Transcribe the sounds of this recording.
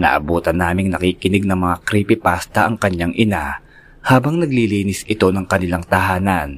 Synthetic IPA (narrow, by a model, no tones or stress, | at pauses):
nɐ̰ːʔɐbuːt̪ɐnːaːmɪŋnɐkiːkɪnɪɡ̚nɐŋmɐŋakɾiːpɪpaːst̪ɐʔɐŋkɐɲaŋʔɪna | haːbɐŋnɐɡ̚liliːnɪsɪt̪o̞nɐŋkɐnɪlaŋt̪ɐhaːnɐn